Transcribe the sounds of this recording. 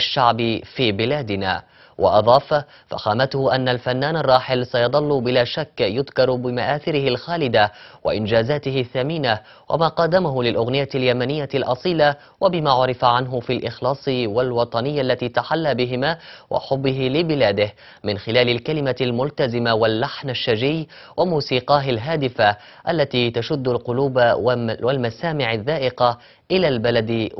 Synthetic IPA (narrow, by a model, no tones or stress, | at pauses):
ʔaʃːaʕbɪfiːbɪlaːd̪ɪna̰ː | wʔɑ̰ʔɑðˤɑːf | fa̰xaːmat̪ʊhʊʔanːalfanːaːnɑrˤːɑːħɪlsajɑd̪ˤɑlːʊbɪlaːʃakːjʊðkɑɾˤbɪmaʔaːθɪɾɪhɪlxaːlɪd̪awa̰ʔɪnd͡ʒaːzaːt̪ɪhɪθːamiːna | wʔa̰maːqɑd̪ːamaɦʊlɪlʔʊɣnɪjaljamanɪjːalʔɑsˤiːla | wʔabɪmaːʕʊɾɪfaʕanɦʊfilʔɪxlɑːsˤɨwalwɑt̪ˤɑnɪjːʔalːat̪iːt̪aħalːabɪɦɪmaːwʔa̰ħʊbːɪɦɪlɪbɪlaːd̪ɪh | mɪnxɪlaːlɪlkalɪmalmʊlt̪azɪmawalːaħnaʃːad͡ʒɪjː | wʔamuːsiːqɑːɦɪlɦaːd̪ɪfa | ʔalːat̪iːt̪aʃʊd̪ːʊlqʊluːbwalmasaːmɪʕɪðːaːʔɪqa | ʔɪlaːlbalad̪